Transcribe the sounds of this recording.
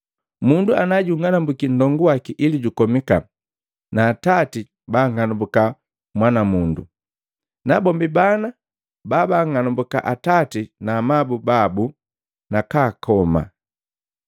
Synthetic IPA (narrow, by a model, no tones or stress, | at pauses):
munduanaɟuŋanambukin̩dɔŋɡuwakiʔiliɟukɔmika̰ | naːtati | baŋanumbuka | mwanamundṵ | nabɔmbibana | babaːŋanumbuka̰ʔatatinamabubabu | nakaːkʰɔma̰